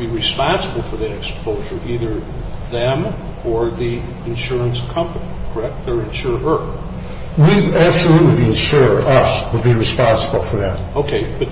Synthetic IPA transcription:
biɹɨspɑ̃nsəbl̩ˠfə˞ðə˞ɨkspoʊʒə˞ʔiðə˞ðɨ̃m | ə˞ði | ɨ̃nʃʊɹə̃nskʰʌ̃mpɨnikʰə˞ɛk̚t̚ðə˞ɨ̃nʃʊɹə˞ | wiæb̥səlutˡlibiɨ̃nʃʊɹʌswəd̚biɹɨspɑ̃nsəbl̩ˠfə˞ðæ̰t̚oʊkʰeɪb̥ʌt

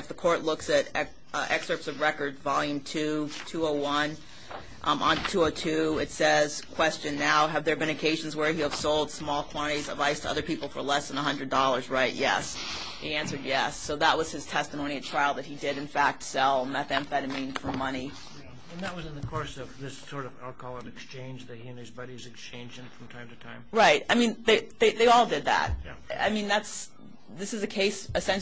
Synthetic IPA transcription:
ɨfðəkʰɔɹtˡlʊksɨɾɛ | ʔɛksə˞psʌvɹɛkə˞dvɑlˠjʉ̃mtʰʉtʰʉoʊwʌ̃n | ʔʔə̰̃ntʰʉoʊtʰʉɪtsɛz̥kʰw̥ɛst͡ʃɨ̃nːaʊɨvðə˞bɨ̃ɾ̃nɨkʰeɪʒ̃n̩zwə˞hʉəv̥soʊlˠd̥smɔlˠkʰw̥ɑ̃ɾ̃ɨɾizə̰vaɪz̥tʰəʌ̰ðə˞pʰipl̩ˠfə̰˞lɛsðə̃nəɦʌ̃ndɹɨdɔlˠə˞zɹaɪʔ̚jɛ̰s | hiæ̃nsə˞d̚jɛsːoʊðəʔ̚wʔʌz̥ɨz̥tʰɛstəmõʊ̃niɨtʰɹ̥aɪlˠd̪̚ðɨt̚hidɪɾɨ̃nfæk̚tsɛl̃ˠnmɨt̪æ̃nfɛɾɨmĩnfə˞mʌñi | ɨ̃nðɨt̚wʌzɨ̃nðɨkʰɔɹsʌvðɪsɔɹɾʌvælˠkɑlˠəbɨkst͡ʃʰẽɪ̃nd͡ʒðɨt̚hiɨ̃nɨzbʌɾizɨkst͡ʃʰẽɪ̃nd͡ʒɪ̃ŋfɹʌ̃mtʰãɪ̃mtʰɨtʰãɪ̃mɹaɪt̚aɪmĩnðeɪðeɪðeɪɔlˠdɨd̪̚ðæ̰t̚ | a̰ɪmĩnðæts | ðɪsɨzɨkʰeɪsɨsɛ̃n

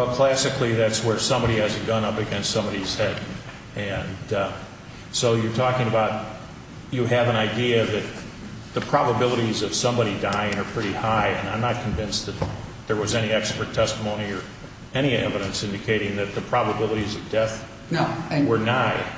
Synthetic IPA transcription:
ʌkʰl̥æsɨkliðætswə˞sʌ̃mbɑɾiɨzɨɡʌ̃nʌpɨɡɛ̃nstsʌ̃mbɑɾiz̥hɛd | ɨ̃n | soʊjə˞tʰɔkɪ̃ŋɨbaʊt͡ʃ̚ | ɨːvə̃naɪdiɨðɨt̪̚ | ðɨpʰɹ̥ɑbəbɪlˠəɾizʌv̥sʌ̃mbɑɾidaɪɪ̃ŋə˞pʰɹ̥ɪɾihaɪɨ̃nãɪ̃mnət̚kʰɨ̃ɱvɪ̃nsðɨt̪̚ðə˞wʌzɛñiɛkspə˞tʰɛstəmõʊ̃niə˞ | ɛɾ̃iɛ̰vɨɾɨ̃nsɪ̃ndɨkʰeɪɾɪ̃ŋðɨt̪̚ðɨpʰɹ̥ɑbəbɪlˠəɾizʌvdɛθ | wə˞naɪ

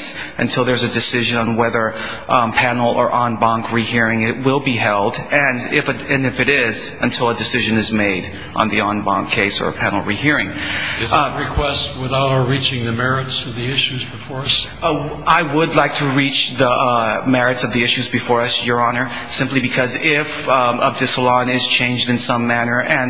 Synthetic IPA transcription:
s | ʔɨ̰̃ntʰɪlˠðə˞zɨdɨsɪʒɨ̃nə̃nwɛðə˞ | ʔpʰænl̩ˠə̰˞ʔɑ̃nbɑ̃ŋkʰɹihiɹɪ̃ŋɪt̚wɪlˠbiɦɛlˠdɨ̃nɪfɨɨ̃nɨfɨɾɪzɨ̃ntʰɪlˠədɨsɪʒɨ̃nɨzmeɪɾ | ʔn̩ðiɑ̃nbɑ̰̃ŋkʰeɪsə̰˞pʰænl̩ˠɹihiɹɪ̃ŋɨzɹɨkʰw̥ɛst̚wɨθaʊɾɹit͡ʃɪ̃ŋðɨmɛɹɨtsʌvðiɪʃʉzbɨfɔɹʌs | aɪwədˡlaɪk̚tʰɨɹit͡ʃðəmɛɹɨtsʌvðiɪʃʉzbɨfɔɹʌsjə˞ɑnə˞ | sɪ̃mplibɨkʰʌzɪfʌdɨsəlɑ̃nɪz̥t͡ʃʰẽɪ̃nd͡ʒdɨ̃nsʌ̃mænə˞ʔɨ̃n

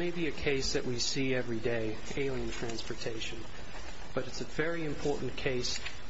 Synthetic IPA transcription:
meɪbiɨkʰeɪsðɨʔwisiɛvɹideɪ | eɪlˠiɨ̃ntʰɹ̥æ̃nspə˞tʰeɪʃɨ̃n̩ | b̥ʌɾɨtsɨvɛɹiɨ̃mpʰɔɹʔn̩kʰeɪs

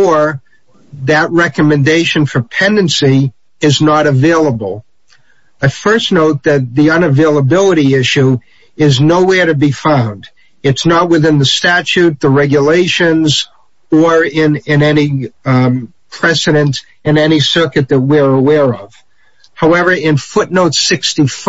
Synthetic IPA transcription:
əɹ | ðɨt̚ɹɛkɨmɨ̃ndeɪʃɨ̃nfə˞pʰɛ̃ndɨ̃nsi | ɪznəɾɨveɪlˠəbl̩ˠ | aɪfɜ˞sⁿnoʊt̪̚ðɨt̪̚ðiʌ̃nɨveɪlˠəbɪlˠəɾiɪʃʉ | ɪznoʊwɛɹɾɨbifãʊ̃nd | ɨtsnət̚wɨðɪ̃nðɨstæt͡ʃʉt̪̚ðəɹɛɡjəleɪʃɨ̃nz | ə˞ɪ̃nɪ̃nɛni | pʰɹ̥ɛsɨɾɨ̃nt | ɨ̃nɛnisɜ˞kɨt̪̚ðɨt̚wiə˞əwɛɹʌv̥ | haʊɛvə˞ɪ̃nfʊtⁿnoʊtsɪkstif

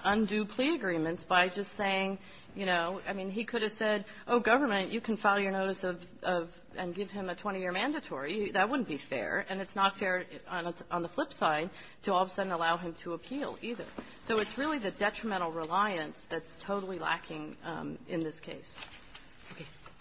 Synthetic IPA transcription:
ʔʌ̃ndʉpʰl̥iɨɡɹĩmɨ̃ntsb̥aɪd͡ʒʌstseɪɪ̃ŋ | jɨɾ̃oʊa̰ɪmĩnikʰʊɾɨv̥sɛɾ | ʔoʊɡʌvə˞mɨ̃nt͡ʃɨkʰn̩faɪlˠjə˞noʊɾɨsʌv | ʔʌv | ɨ̃nɡɪv̥ɨ̃mɨtʰw̥ɛ̃ɾ̃ijɪɹmæ̃ndɨtʰɔɹiðɨt̚wʊdⁿn̩b̥ifɛ̰ɹɨ̃nɨtsnətfɛɹ̃ñn̩ðəflɪpsaɪd̚ | tʰɨɔvsʌdⁿn̩əlaʊɨ̃mtʰəəpʰilˠiðə̰˞ | soʊɨtsɹɪlˠiðɨdɛt͡ʃɹ̥ɨmɛ̃ɾ̃l̩ˠɹɪlaɪɨ̃nsðɨtstʰoʊɾl̩ˠilæ̰kʰɪ̃ŋʔɪ̰̃nðɪskʰḛɪs

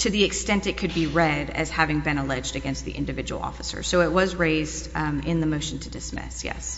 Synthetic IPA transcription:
tʰɨðiɨkstɛ̃ntɨt̚kʰɨd̚biɹɛɾɨ̰z̥hævɪ̃ŋbɨ̃nəlɛd͡ʒdɨɡɛ̃nst̪̚ðḭʔɪ̰̃ndɨvɪd͡ʒɨwl̩ˠɔ̰fəsə̰˞soʊɨt̚wʌzɹeɪzdɪ̃nðɨmoʊʃn̩tʰɨdɨsmɪ̰sjɛ̰s

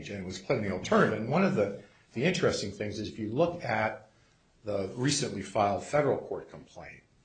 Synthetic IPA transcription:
d͡ʒɨ̃nt̚wʌz̥pʰl̥ɛdⁿn̩il̩ˠtʰɜ̃˞nɨmɨ̃nwʌ̃nʌvðɨ | ðiɪ̃nt͡ʃɹ̥ɨstɪ̃ŋθɪ̃ŋzɨzɨfjɨlʊkɨt̪̚ | ðəɹisɨ̃nʔlifaɪlˠd̥fɛɾə˞l̩ˠkʰɔɹt̚kʰə̃m̩pʰl̥ḛ̃ɪ̃n̚

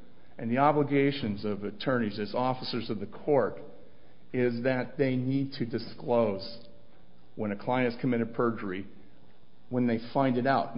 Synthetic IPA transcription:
ɨ̃nðiɑbləɡeɪʃɨ̃nzʌvɨtʰɜ̃˞nizɨzɔfəsə˞zʌvðɨkʰɔɹɾ | ɪzðɨt̪̚ðeɪnid̚tʰɨdɨskloʊz | wə̃nɨkʰl̥aɪɨ̃ntskʰɨmɪɾɨd̚pʰɜ˞d͡ʒə˞i | wə̃nðeɪfãɪ̃ndɨɾaʊt̚

